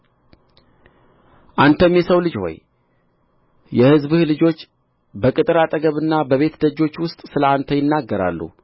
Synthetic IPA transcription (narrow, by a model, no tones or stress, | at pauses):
ʔant̪ʰəmjɛsəwlɨd͡ʒho̞̰j | jɛhɨzbɨhlɨd͡ʒo̞t͡ʃː | bəkʼɨt̪ʼɨɾat̪ʼəɡəβɨnːabəβe̞t̪d̪əd͡ʒo̞t͡ʃːwʊst̪ʼsɨləant̪ʰəjɪnːaɡːəɾa̰lːṵ